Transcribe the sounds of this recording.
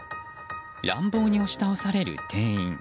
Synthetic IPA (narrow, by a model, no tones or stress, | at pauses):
ɾã̰mbo̞ːɲ̟io̞ɕi̥t̪aosaɾe̞ɾɯ̟̰t̪ʰẽ̞ɰ̃ĩŋ